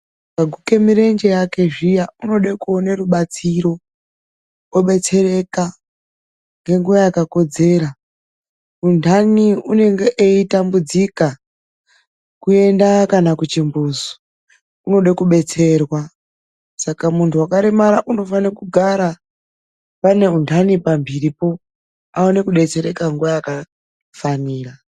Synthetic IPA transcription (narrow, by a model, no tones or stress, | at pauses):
kaɡʱuke̞miɾe̞nd͡ʒe̞jake̞ʐijauno̞ɗakuoneruɓat͡siɾo̞ | oɓe̞t͡se̞re̞ka | ŋɡe̞ŋɡuʋajakako̞d͡ze̞ːɾa | undʱaniune̞ŋɡe̞ʔeitambud͡zika | kue̞ndakanakut͡ʃimbuːzo̥ | uno̞ɗakuɓe̞t͡se̞rwa | sakamuntʰuwakaɾemaɾaʔuno̞fanakuɡʱaɾa | pane̞untʰanipambiɾipo̞ | aone̞kuɗe̞t͡se̞ɾe̞kaŋɡuʋajaka | faniːra